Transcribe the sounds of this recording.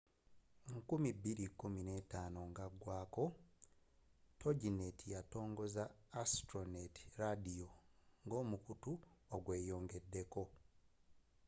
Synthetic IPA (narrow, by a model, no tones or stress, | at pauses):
ŋkumibːiɾikumine̞taːno̞ŋɡaɡwaːko̞ | tʰo̞ɟinetʰijato̞ːŋɡo̞zaːstɾoneti̥ɾadijoŋɡo̞ːmukutuoɡwe̞ːjo̞ːŋɡe̞dːe̞ko̞